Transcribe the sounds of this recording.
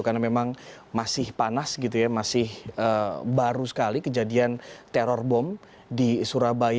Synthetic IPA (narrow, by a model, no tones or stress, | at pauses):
karnamemaŋ | masɪhpanasɡit̪̬ujamasɪhəbaɾusə̥kalikəd͡ʒadiant̪ɛɾɔrbɔm | disuɾabaj